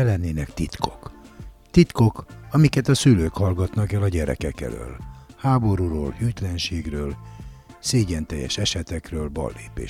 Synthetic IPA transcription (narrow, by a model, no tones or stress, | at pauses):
ɛlɛnːeːnɛkt̪it̪kʰo̞̥kt̪it̪ko̞kɒmikɛt̪ɒsyløːkhɒlɡɒt̪nɒkɛlɒɟɛɾɛ̰kɛkɛ̰lø̰ːlhaːbo̞ɾuɾoːlhyːt̪lɛnʃeːɡrøːlseːɟɛnt̪ɛjːɛ̰ʃɛʃɛt̪ɛkrøːlbɒ̰lːḛːpḛː